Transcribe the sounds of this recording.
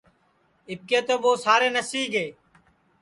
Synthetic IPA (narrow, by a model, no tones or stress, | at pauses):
ɪp̚keːt̪oːboːsaːɾeːnəsiːɡeː